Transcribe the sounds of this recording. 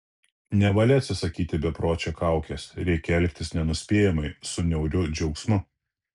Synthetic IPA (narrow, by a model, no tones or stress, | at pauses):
nʲɛʋɐlʲɪɐt̪ʲsʲɪsɐkʲiːt̪ʲɪbʲɛpɾoːt͡ʃʲokɑˑʊkʲesɾʲɛɪkʲɛɛlʲkt̪ʲɪsnʲɛnʊsʲpʲeːjɛmɐɪsʊnʲɛʊɾʲʊd͡ʒʲɛʊksmʊ